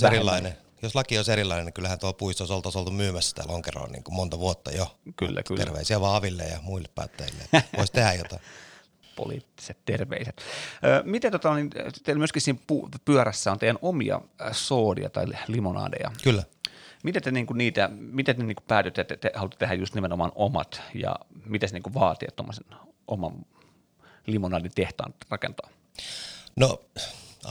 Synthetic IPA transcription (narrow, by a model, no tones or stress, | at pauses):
oserilːɑine | joslɑkioˑiseɾilːˑɑineniŋkylːhænt̪uopuist̪oˑisolt̪ːɑsolt̪umyːmæsːæ̥t̪æ̰ːloŋkero̰ːnḭːŋkummont̪ɑʋuot̪ːɑjoky̰lːæ̰ky̰ḛrʋḛˑisiæʋɑːɑʋilːḛjɑ̰muilːeppːɑ̰ːt̪ːeilːḛːoˑist̪ehæjot̪ɑi | po̰lḭːt̪ːi̥set̪t̪erʋḛiset̪əːmit̪æt̪ot̪ɑnint̪emyøskisiːmpupyœræsːæont̪eijænomiɑ̰soːdḭɑ̰t̪ɑilimonɑ̰ːdḛjɑ̰kylːæmit̪æt̪eniːŋkuniːt̪æmit̪ætneniːŋku̥pæːt̪yt̪ːet̪ːet̪ehɑlut̪ːe̥t̪ehæjust̪nimenomɑnomɑ̰t̪jɑ̰mit̪æsniːŋkuʋɑːt̪ḛːt̪t̪omːosen | ʔomɑn | limonɑːdint̪eht̪ɑ̰ɑːnrɑkḛnt̪oɑː | no